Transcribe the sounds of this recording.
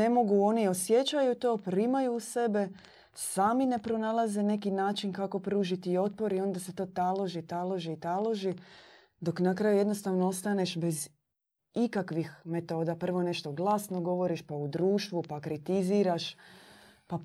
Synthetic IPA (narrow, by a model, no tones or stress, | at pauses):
e̞mo̞ɡuo̞nio̞sje̞t͡ɕajut̪o̞ːpɾimajuːse̞be̞ | saːmine̞pɾo̞nalˠaze̞ne̞kinaːt͡ʃinkako̞pɾuːʒit̪iːo̞t̪̚po̞ɾio̞nd̪ase̞t̪o̞ːt̪alˠoʒit̪alˠoʒiːt̪alˠoʒi | d̪o̞knakɾaːjuje̞d̪no̞st̪aʋnoost̪ane̞ʃbe̞z | ikakʋixme̞t̪o̞ːd̪apr̩ʋo̞ne̞ʃt̪o̞ɡlˠasno̞ɡo̞ʋo̞ɾiʃpaud̪ɾuːʃt̪ʋupakɾit̪iziːɾaʃ | pa